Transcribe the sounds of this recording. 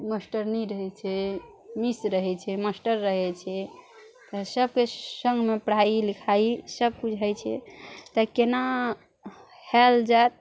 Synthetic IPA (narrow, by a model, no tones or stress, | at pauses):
məsʈəɾniɾəɦɛt͡ʃʰɛ | misɾəɦɛt͡ʃʰɛməsʈəɾːəɦɛt͡ʃʰɛ | t̪əsəb̚kesəŋɡʱmepəɽailikʰaisəb̚kud͡ʒʱɛt͡ʃʰɛt̪əkena | hɛld͡ʒat̪̚